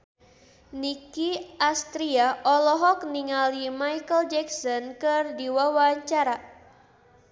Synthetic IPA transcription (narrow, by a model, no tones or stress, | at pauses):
nikiʔast̪ɾiaʔɔlɔɦɔk̚niŋalimajkəld͡ʒɛksɔnkɨrdiwawaɲt͡ʃaɾa